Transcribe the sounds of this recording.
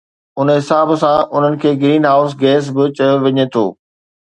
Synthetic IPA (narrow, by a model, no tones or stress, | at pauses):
ʊnɦɪsaːbsãʔʊn̤ənɪ̆kʰeːɡɾiːnɦaːʊsɡɛːs̬bɪt͡ɕɐjoʋɪɲet̪ʰo̰ː